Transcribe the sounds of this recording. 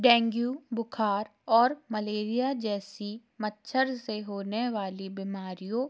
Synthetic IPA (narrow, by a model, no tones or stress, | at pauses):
ɖɛ̃ːŋɡjuːbʊkʰaːɾɔːɾmɐleːɾijad͡ʒɛːsi | mətːʃʰəɾseɦoːneʋaːlibimaːɾijõ